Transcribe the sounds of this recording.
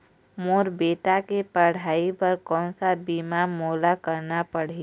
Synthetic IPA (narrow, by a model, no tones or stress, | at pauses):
moːɾbeːʈakepəɽ̤aːipəɾkɔːnsabiːmamoːlakəɾnapəɽ̤e